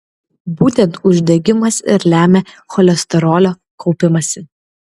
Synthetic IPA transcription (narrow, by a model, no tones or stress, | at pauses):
buːt̪ʲɛ̃nt̪ʊʒʲd̪ʲɛɡʲɪmɐsɪ̰ɾlʲæːmʲɛ | xɔlʲɛsʲt̪ʲɛɾoːlʲoː | kʰɒʊpʲɪmɐsʲɪ